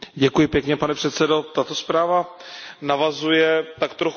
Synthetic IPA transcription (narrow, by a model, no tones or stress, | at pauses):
ɟɛkujɪpjɛkɲɛpanɛpr̝̥ɛt̪sɛdo̞t̪at̪o̞spɾaːvanavazujɛt̪akt̪ɾox